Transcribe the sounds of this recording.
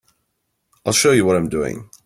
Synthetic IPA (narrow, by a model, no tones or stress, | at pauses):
aɪlˠʃoʊjəwʌɾãɪ̃mdʉɪ̰̃ŋ